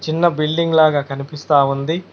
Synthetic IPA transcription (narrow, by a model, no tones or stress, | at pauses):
t͡ʃinːɐbilɖiŋɡlaːɡaːkɐnipist̪aːʋund̪i